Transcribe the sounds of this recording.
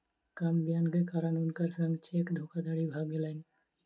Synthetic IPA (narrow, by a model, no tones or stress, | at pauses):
kamɡjaːnkekaːɾənʊnkəɾsɐ̃ŋɡt͡ʃeːkd̪ʱoːkad̪aːɽibʱaːɡilaɪn